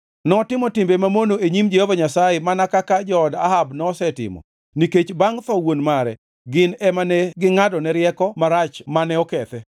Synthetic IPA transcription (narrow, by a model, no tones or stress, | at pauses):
nɔtɪmɔtɪmbemamonoeɲimd͡ʒehovaɲasajemanakakad͡ʒɔda̰ɦabnɔːsɛtɪ̰mɔ̰ | niket͡ʃbaŋt̪ɔwonmaɾɛ̰ | ɡɪnɛmanɛɡɪŋadɔnɛɾjɛkɔmaɾat͡ʃmanɛɔkɛt̪ɛ